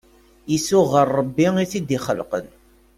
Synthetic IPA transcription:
jisʊʁərˤːəbːiŋiθid̪iχə̰lqə̰n

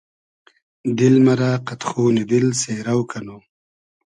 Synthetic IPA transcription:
d̪ɪlmaɾaːqat̪xoːnid̪ɪlseːɾawkano

